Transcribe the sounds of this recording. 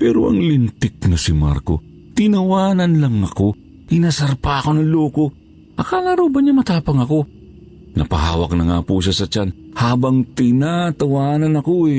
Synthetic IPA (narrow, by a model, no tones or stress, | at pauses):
pɛːɾoʔɐ̰ŋlɪnt̪ɪk̚nɐsɪma̰ɾko̰ | t̪ɪnɐwaːnɐnlɐŋɐko | ɪnasɐɾpaɐkonɐŋloːko | ʔɐkalaɾoːbɐɲɐmɐt̪aːpɐŋɐko | nɐ̰pɐɦa̰ːwɐk̚nɐŋa̰ːpusɐsɐt͡ʃanhaːbɐŋt̪ɪnat̪ɐwaːnɐnɐkoɛ